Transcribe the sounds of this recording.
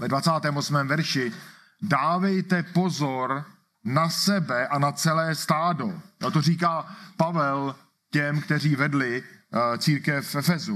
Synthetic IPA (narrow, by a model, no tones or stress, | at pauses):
vɛdvat͡saːt̪ɛːmo̞smɛːmvɛɾʃɪ | daːvɛjt̪ɛpo̞zoɾ | nasɛbɛʔanat͡sɛlɛːst̪aːdojot̪oriːkaːpavɛl | cɛmkt̪ɛɾ̝iːvɛdlɪt͡siːɾkɛfʔɛfɛzu